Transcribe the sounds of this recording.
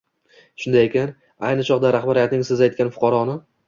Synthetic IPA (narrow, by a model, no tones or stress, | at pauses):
ʃʊnd̪ajekʲan | ajnɪt͡ʃʰɒqd̪aɾaχbaɾijat̪nɪŋsɪzajt̪kʲanfʊ̥qʰɒɾɒnɪ